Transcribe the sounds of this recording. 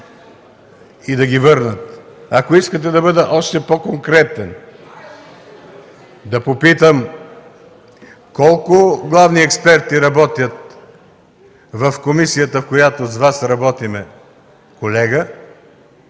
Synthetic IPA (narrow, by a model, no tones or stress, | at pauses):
id̪ɐɡʲivɤɾnət̪akoiskət̪ɛd̪ɐbɤd̪ɛʔɔʃt̪ɛpokoŋkɾɛt̪ɛn | d̪ɐpopit̪əm | kɔlˠkʊɡlˠavniɛkspɛɾt̪iɾɐbɔt̪jət̪ | vɐfkomisijət̪əfkojat̪ozvasɾɐbɔt̪imɛ | kolɛɡə